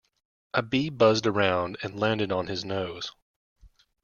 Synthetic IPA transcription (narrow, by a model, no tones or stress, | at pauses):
ʔɨbibʌzdə˞ãʊ̃ndɨ̃nlæ̃ndɨɾn̩ɨznoʊz̥